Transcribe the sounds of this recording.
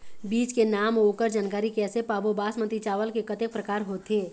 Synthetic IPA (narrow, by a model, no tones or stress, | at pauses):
biːt͡ʃkenaːmoːkəɾd͡ʒaːnkaːɾikɛːsepaːbobaːsmə̃nt̪it͡ʃaːʋəlkekɐt̪ek̚pɾəkaːɾɦoːt̪eː